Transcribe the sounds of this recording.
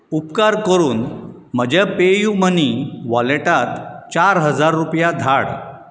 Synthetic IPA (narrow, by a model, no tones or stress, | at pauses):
upkaɾkəɾuːn | məd͡ʑapejuməniʋɔleʈat̪t͡ɕaɾɦəd͡zaɾːupjad̪ʱaɽ